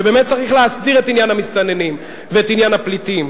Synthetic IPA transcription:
ebe̞ːmet̚t͡saʁiχleasdiʁe̞tinjanhamist̪anenim | veetinjanaplitim

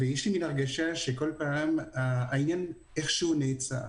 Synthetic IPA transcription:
vejɛʃliminaʁɡaʃaʃeko̞lpaːmaainjan | e̞χʃehuneːt͡sa̰

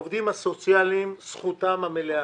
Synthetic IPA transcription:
ovd̪imasot͡sjalimsχut̪amamelea

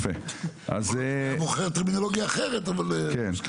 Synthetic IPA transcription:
fe | ʔa̰zmoχeʁt̪ːeʁminoloɡjaːχeʁet̪avalken

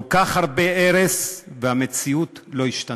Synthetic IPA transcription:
lkaχhaʁbeeʁesveamet͡siutlo̞iʃt̪a

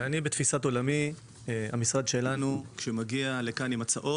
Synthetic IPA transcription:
anibet̪fisat̪o̞lami | amisʁad̪ʃe̞lanukʃemaɡialekanimat͡saʔo̞

